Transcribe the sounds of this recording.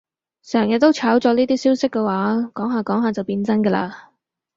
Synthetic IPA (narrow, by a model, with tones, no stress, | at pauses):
sœː˨˩ŋjɐ˨t̪̚t̪o˥wt͡sʰaː˨˥wt͡sɔː˧˥niː˥t̪iː˥siː˥wsɪ˥kːɛ˧waː˨˥kɔː˨˥ŋɦaː˨kɔː˨˥ŋɦaː˨t͡sɐ˨wpiː˧nt͡sɐ˥nkə˧la̰ː˧